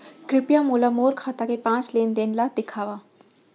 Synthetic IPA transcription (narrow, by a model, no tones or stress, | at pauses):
kɾɪpjamoːlamoːɾkʰaːt̪akepãːt͡ʃleːnd̪eːnlad̪ɪkʰaːʋaː